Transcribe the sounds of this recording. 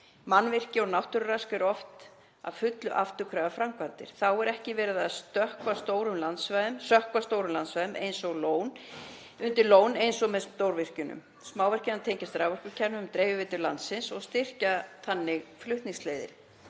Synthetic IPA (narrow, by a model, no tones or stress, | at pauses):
manvɪr̥cɪɔɣnawht̪ʏɾraskɛɾɔft̪ | a̰ðfʏt̪lʏʔaft̪ʏkʰɾaːvafɾamkvant̪ɪ̰ɾ̥θawɛɾɛhcɪvɛːɾɪðaðst̪œhkvast̪oːwɾʏmlant̪svajðʏmsœhkvast̪oːwɾʏmlansvajðʏmʔḛjnsɔɣloːwn | ʏnt̪ɪɾloːwnejnsɔɣmɛðst̪owɾvɪr̥cʏnʏ̰m | smaːwvɛr̥cɪnant̪ʰejɲcast̪ɾawvɛrkʏcʰɛnːʏmt̪ɾeːjvɪvɪːt̪ʏɾla̰nt̪sɪnsɔɣst̪ɪr̥cat̪ʰanːɪɣflʏht̪niŋsleːjðɪ̰ɾ̥